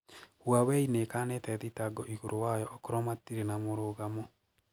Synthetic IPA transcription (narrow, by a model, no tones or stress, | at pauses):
hwawɛinekanetɛðitaɡɔʔiɣoɾʔowajɔʔɔkoɾɔmatiɾenamoɾoɣamo